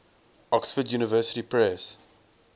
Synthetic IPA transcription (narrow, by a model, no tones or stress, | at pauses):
ɔksfədjuːnəvɜːsə̥tipɹɛs